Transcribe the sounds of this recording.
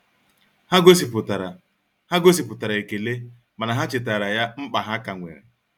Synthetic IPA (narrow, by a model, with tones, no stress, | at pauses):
ha˦ɡo˦s̬i˨pʊ˨ta˨ɾ | ha˦ɡo˦s̬i˨pʊ˨ta˨ɾa˨e˨ke˨le˦ | ma˨na˨ɦa˦t͡ʃɪ˨ta˨ɾa˨ja˦ŋ͡m̩˦k͡pa˨ɦa˦ka˨ŋʷḛ˨ɾḛ˨